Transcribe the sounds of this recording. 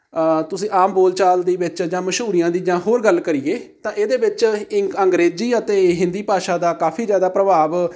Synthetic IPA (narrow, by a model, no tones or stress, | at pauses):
t̪ʊsĩːʔaːmboːlt͡ʃaːld̪iːʋɪt͡ʃd͡ʒãːməʃɦuːɾijãːd̪iːd͡ʒãːɦoːɾɡəlkəɾiːeːt̪ãːʔeːd̪eːʋɪt͡ʃɪəŋɡɾeːd͡ʒiːət̪eːɦɪ̃nd̪iːpaːʃãːd̪aːkaːfiːd͡ʒjaːd̪aːpɾəbaːʋ